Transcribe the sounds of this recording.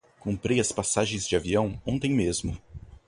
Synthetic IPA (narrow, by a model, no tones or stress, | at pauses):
kõmpɾejɐspasaʒẽj̃zd͡ʒɪaviɐ̃w̃õnt̪ẽj̃mezmʊ